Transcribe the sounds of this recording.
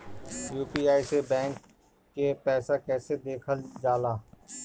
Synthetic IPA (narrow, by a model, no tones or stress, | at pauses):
juːpiːaːisebɛ̃ːŋkː | epɛːsakɛːsed̪eːkʰəld͡ʒaːlaː